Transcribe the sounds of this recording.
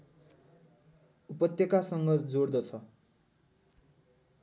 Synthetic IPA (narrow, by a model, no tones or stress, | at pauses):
upʌt̪jʌkasʌŋɡʌd͡zord̪ʌt͡sʰʌ